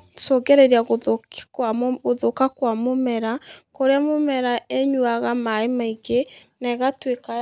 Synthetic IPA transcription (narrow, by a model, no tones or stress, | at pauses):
soɡɛɾeɾiaɣo | ɣoðokakwamomɛɾakoɾeamomɛɾaeɲwaɣamaemaiɡenɛɣatweka